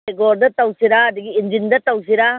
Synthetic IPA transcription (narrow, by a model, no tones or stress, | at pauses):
ɡoɾd̪ɐt̪ɐwsiɾaːd̪iɡiːnd͡ʒind̪ɐt̪ɐws̬iɾa